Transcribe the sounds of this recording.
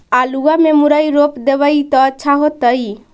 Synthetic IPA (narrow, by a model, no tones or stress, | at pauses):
aluamemuɾajɾopd̪eβəjt̪ɔːtːʃʰaɦot̪əj